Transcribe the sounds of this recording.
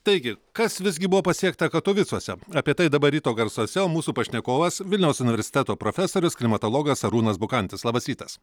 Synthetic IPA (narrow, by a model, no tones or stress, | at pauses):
t̪ɐɪɡʲɪkɐsʋʲɪzʲɡʲɪbʊʋoːpɐsʲiɛk̚t̪ɐkɐt̪oːʋʲɪt̪suɔsʲɛɐːpʲiɛt̪ɐɪd̪ɐbɐɾʲiːt̪oːɡɐɾsoːsʲɛoːmuːsuːpɐʃʲnʲɛkoːʋɐsʋʲɪlʲnʲɛʊsʊnʲɪʋʲɛɾʲsʲɪ̥t̪ʲæt̪oːpɾoːfʲɛsoːɾʲʊsklʲɪmɐt̪oːlˠoːɡɐsɐɾuːnɐsbʊkɐnʲt̪ʲɪslˠɑːbɐsɾʲiːt̪ɐs